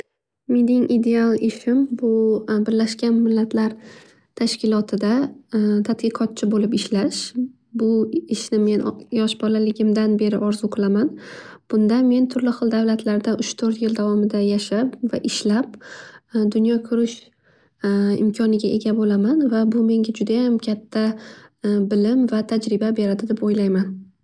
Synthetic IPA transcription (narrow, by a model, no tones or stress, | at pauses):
med̪ɪŋʔid̪e̞alˠɪʃɪmbʊbɪɾlaʃkʲanmɪlːat̪ʰlaɾ | t̪ʰaʃkʲɪlˠɒt̪ʰɪd̪at̪ʰat̪̚qɨqʰɒt̪̚t͡ʃʰɪbolɪpɪʃlaʃ | bʊɪʃnɪme̞njɒʃbɒlalɪɡʲɪmd̪anbe̞ɾɪʔɒɾzʊoqʰɨlˠamanb̥ʊnd̪anme̞nt̪ʰʊɾlɪχɨlˠd̪avlat̪ʰlaɾd̪aʔʊʃt̪ʰɵɾt̪jɪld̪avɒmɪd̪ajaʃapvaʔɪʃlap̚ | d̪ʊnjɒkʲʰʊɾɪʃ | ɪ̰mkʲʰɒnɪɡʲaʔe̞ɡʲabolamanvabʊme̞ŋɡʲad͡ʒʊd̪ajamkʲʰat̪ʰːa | bɪlɪmvat̪ʰad͡ʒɾɪbabe̞ɾad̪ɪd̪ɪpojlajman